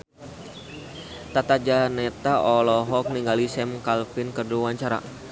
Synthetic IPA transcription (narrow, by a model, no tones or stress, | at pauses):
t̪at̪ad͡ʒanɛt̪aʔɔlɔɦɔk̚niŋɡalisɛmkalfɪnkəduwaɲt͡ʃaɾa̰